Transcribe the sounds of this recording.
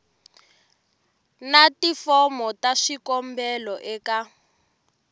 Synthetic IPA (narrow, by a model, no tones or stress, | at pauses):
natifɔmɔtaʃikɔmbɛlɔʔɛka